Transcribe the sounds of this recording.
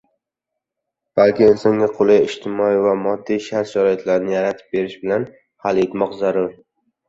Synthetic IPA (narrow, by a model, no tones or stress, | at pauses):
b̥alkʲɪɪlsɒŋʲaqʰolˠajɪʃt̪ʰɪmɒivamɒd̪ːijʃaɾt̪ʃaɾɒjɪt̪ʰlaɾɪnɪjaɾat̪ʰɪ̥p̚be̞ɾɪʃbɪlan | halet̪mɒqzaɾʊɾ